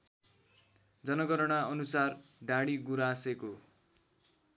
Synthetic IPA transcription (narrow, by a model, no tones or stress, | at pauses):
d͡zʌnʌɡʌɾʌɽ̃aʌnusarɖaɽiɡuɾaseko